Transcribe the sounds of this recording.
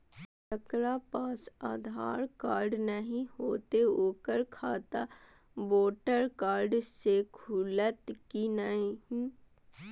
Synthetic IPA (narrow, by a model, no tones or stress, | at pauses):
t̪əkɾaːpaːsa̰ːd̪ʱa̰ːɾkaːɾɖnəɦĩhoːt̪eoːkəɾkʰaːt̪aboːʈəɾkaːɾɖsekʰuːlət̪kinəɦĩ